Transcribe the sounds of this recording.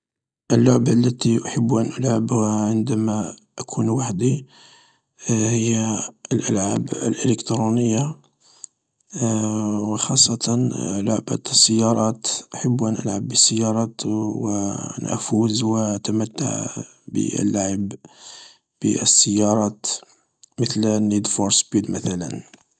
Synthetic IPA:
ʔəlːʊʕbalːæt̪iʔaħəbːuʔænʔʊlʕabhʕənd̪æmaʔakʰunwaħd̪i | həjːaəlʔəlʕabə̰lʔələkt̪ɾunəjːa | wəxɑsˤːɑt̪ʰɑnlʊʕbæ̰t̪sːəjːɑɾˤɑt̪ʔħəbːuʔænʔə̰lʕabːəsːəjːɑɾˤɑt̪wənʔfuzwət̪æmət̪ːa̰ʕ | bə̰ə̰lːaʕəb | b̥ə̰əsːəjːɑɾˤɑt̪ | mət̪lnːid̪foɾspid̪mæt̪ælə̰n

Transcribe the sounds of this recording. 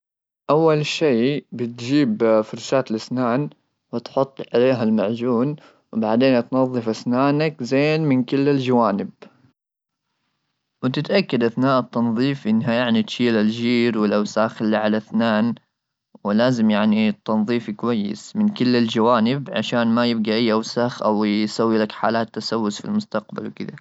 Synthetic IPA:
ʔawːalʃiːbɪt̪d͡ʒiːbfʊɾˤʃaːt̪lɪsnaːn | wɪt̪ħʊt̪ˤːʕaleːɦalmaʕd͡ʒuːn | wbaʕd̪eːnʔat̪nɑðˤːɨfʔasnaːnakzeːnmɪnkɪlːɪld͡ʒawaːnɪb̚ | wɪt̪ɪt̪ʔakːad̪ʔaθnaːʔɪt̪ːɑnðˤiːfʔɪnːɦajaʕnit̪ʃiːlalʒiːɾwɪlʔawsaːxɪlːaʕalaθnaːn | wɪlaːzɪmjaʕnit̪ːɑnðˤiːfkwajːɪ̰smɪnkɪlːɪld͡ʒawaːnɪbʕa̰ʃaːnmajɪb̚ɡaʔajːʔawsaxʔawsawːilakħaːlaːt̪ːasawːʊsfilmʊst̪aq̚ba̰lwɪkɪd̪a̰

